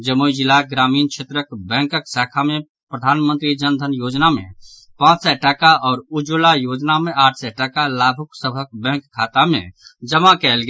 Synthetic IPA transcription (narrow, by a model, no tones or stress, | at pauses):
d͡ʒəmojd͡ʒɪlaɡɾaːmiːnt͡ʃʰeːt̪ɾəkbɛ̃ːŋkəksaːkʰamẽ | pɾəd̪ʱaːnmə̃nt̪ɾid͡ʒənd̪ʱənjoːd͡ʒnamḛ̃ | pãːt͡ʃsɛʈaːkaɔːɾʊd͡ʒulajoːd͡ʒnamẽaːʈʰsɛʈaːkalaːbʱʊksəbʱək̚bɛ̃ːŋkʰːaːt̪amḛ̃d͡ʒəmakɛːlɡ